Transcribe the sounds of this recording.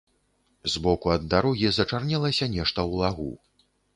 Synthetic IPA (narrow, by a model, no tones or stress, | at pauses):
zbɔkuɐd̪ːaɾɔɣʲizɐt͡ʂarnʲɛlˠɐsʲɐnʲɛʂt̪ɐwlˠaɣṵ